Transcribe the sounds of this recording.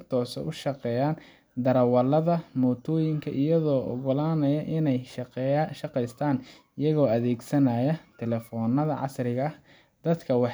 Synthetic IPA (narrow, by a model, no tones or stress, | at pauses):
t̪ʰɔːsɛ̰ʔʊʃɑqɛːjaːn | d̪ɐɾɐwɐlɐðɐmɔːt̪ʰɔːjɪŋkʰɐʔɪjɐðɔːʔɔ̰ɣɔlaːnɐjɐʔɪnɛj | ʃɐqɛjst̪ʰaːn | ɪjɐɣɔːɐðɛːɡsɐnaːjɐt̪ʰɛlɛfɔːnːɐðɐʕɑ̰srɪɣɐɐ | d̪̥ɐd̪kʰɐwɑħ